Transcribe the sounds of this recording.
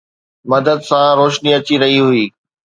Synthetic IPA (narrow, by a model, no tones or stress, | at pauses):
mɐd̪əd̪sãɾoːʃniɐt͡ɕiɾɐɦiɦʊiː